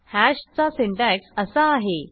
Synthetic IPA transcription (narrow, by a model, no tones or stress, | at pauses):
hæɕt͡sasiɳʈæksəsaːɦe